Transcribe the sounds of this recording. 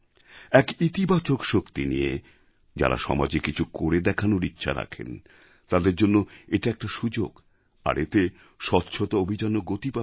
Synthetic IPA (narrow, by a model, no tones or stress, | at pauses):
ɛkit̪ibat͡ɕokʃokt̪inie | d͡ʑa̰ɾa̰ʃɔ̰mad͡ʑekit͡ɕʰukoɾed̪ɛkʰanoɾitːɕʰa̰ɾa̰kʰḛn | t̪ad̪eɾd͡ʑonːoeʈaɛk̚ʈaʃud͡ʑoɡ | a̰ɾet̪e | ʃɔt̪ːɕʰot̪aobʱid͡ʑanoɡot̪ipa